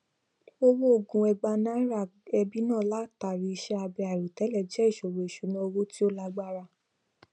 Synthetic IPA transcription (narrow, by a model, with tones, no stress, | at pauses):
o˧wo˦o˦˨ɡũ˧ɛ˧ɡ͡ba˧nã˦ɾa˦˨ɛ˧bi˦nãː˦˨la˦ta˨ɾi˨˦˧ʃɛ˦a˧bi˧a˨ɾu˨tɛ˨˦lɛ˦˨d͡ʒɛ˨˦i˦˨ʃo˨wo˨i˨ʃu˨˦nã˧o˧wo˦ti˦o˦la˦ɡ͡ba˦ɾa˧